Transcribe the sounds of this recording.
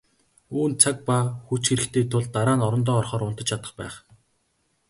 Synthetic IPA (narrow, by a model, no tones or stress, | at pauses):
uːnt͡sʰak̚paxut͡ɕxeɾɘ̆kt̪ʰeːt̪ʰʊɮt̪aɾaːnɔɾɞ̆nt̪̬ɔːrχɔːɾʊn̥t̪ə̆t͡ɕʰat̪ə̆χpæ̰ːχ